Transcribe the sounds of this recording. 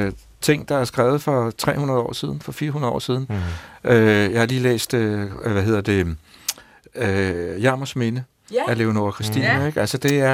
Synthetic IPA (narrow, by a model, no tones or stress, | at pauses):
t͡sʰe̝ŋ̰d̥ɑ̈æɐsɡ̥ʁɛːʊð̞̩ˠfɒ̽t͡sʰʁɛ̰ːhunɐð̞̩ˠɒ̰ːsiːð̞ˠn̩fɒ̽fiːɐɦunɐɒ̰ːsiːð̞ˠn̩øjɑ̈ɪhɑ̈liːlḛːsd̥øʋæɦe̝ð̰ˠɐd̥e̝ | øjɑ̈ːmosme̝nə | æɐle̝ʊno̝ɐkʰʁisd̥ḭːnæeɡ̥ælsəd̥e̝æɐ